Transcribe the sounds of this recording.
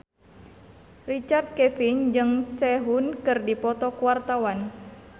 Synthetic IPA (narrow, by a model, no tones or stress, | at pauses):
rit͡ʃard̪̚kɛfind͡ʒɨŋsɛɦunkɨrdipɔt̪ɔkuwart̪awan